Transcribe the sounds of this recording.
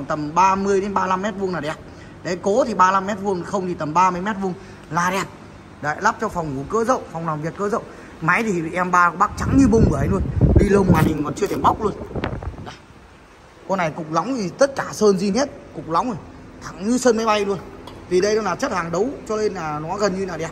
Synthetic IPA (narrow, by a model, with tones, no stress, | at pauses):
t̪ə˨˩mɓaː˧mɨ˧əjɗe˨˦nɓaː˧la˧mːɛ˦˥t̚vəŋnlaː˨˩ɗɛ˨˩p̚ | ɗe˨˧˩ko˨˦t̪ʰi˨˩ɓaː˧la˧mːɛ˦˥t̚vu˧əŋ˨xə˧wŋ͡mt̪ʰi˨˩t̪ə˨˩mɓaː˧mɨ˧əjmɛ˦˥t̚vu˧əŋ | laː˨˩ɗɛ˨˩p̚ | ɗa̰ː˧˨jlaː˦˥p̚t͡ɕɔ˧fɔ˨˩wŋ͡mhu˨˧˩kəː˨˦zə̰˧˨wfɔ˨˩wŋ͡mnaː˨˩mvi˨˩ət̚kəː˧˦zə̰˧˨w | ma˨˦jt̪ʰi˨˩˨ʔɛ˧mɓaː˧kɓaː˦˥k̚t͡ɕa˨˦ŋɲɨ˧mu˧wŋ͡mɨ˨˩˨ə˨˦jnu˧ənɗḭ˧lə˧˩ŋ͡mmaː˨˩ɗï˨˩ŋkɔ˨˩nt͡ɕɨ˧ət̪ʰɛ˧˩ɓa˦˥k͡p̚lu˧ənɗaː˨˩ | ko˧na˨˩jkʊ˨˩k͡p̚la˨˦wŋ͡mi˨˩t̪ə˦˥t̚kaː˧˩səː˧nzi˧he˦˥t̚kʊ˨˩k͡p̚la˨˦wŋ͡mə˨˩jt̪ʰa̰˨˩ŋɲɨ˧səː˧nma˨˦jɓa˧jlu˧ənt̪ʰi˨˩ɗə˧jnɔ˨˦laː˨˩t͡ɕə˦˥t̚haː˨˩ŋɗə˨˦wt͡ɕɔ˧le˧nlaː˨˩nɔ˨˦ɣə˨˩nɲɨ˧naː˨˩ɗɛ˨˩p̚